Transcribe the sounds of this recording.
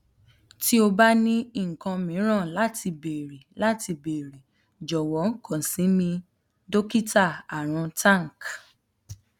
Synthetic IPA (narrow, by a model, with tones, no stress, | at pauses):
ti˦o˧ba˦nĩ˦i˦ŋ̩˨kã˧mĩ˨˦ɾ̃ã˦˨la˦ti˧be˨ɾi˨la˦ti˧be˨ɾi˨ | d͡ʒɔ˨wɔ˨˦ŋ̩˦kɔ̃˦˨sĩ˨˦mĩ˧ | do˦ki˦ta˦˨a˨ɾ̃ɔ̃˧tã˦˨ŋ˨k